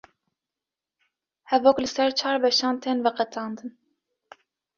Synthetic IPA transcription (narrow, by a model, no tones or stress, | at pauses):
hɛvɔkləsɛɾt͡ʃʰɑɾvɛʃɑnt̪ʰɛnvəqət͡sʼɑnd̪ɨn